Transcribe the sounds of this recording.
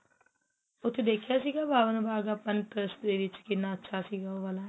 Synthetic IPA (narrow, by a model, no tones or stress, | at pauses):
ʊt̪ʰd̪eːkʰijasiɡabʱaːʋənbʱaːɡapənʈɾəsd̪eʋɪt͡ʃkinãtːʃʰasiɡaʋaːlaɦ